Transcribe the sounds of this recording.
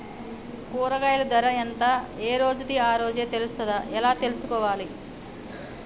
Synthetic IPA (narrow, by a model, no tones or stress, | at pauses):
kuːɾɐɡaːjlɐd̪ɐɾɐɐnt̪aːeːɾo̞ːd͡ʒut̪iaːɾo̞ːd͡ʒeːt̪elust̪ɐd̪aʔɛlaːt̪e̞lusukɔːʋaːli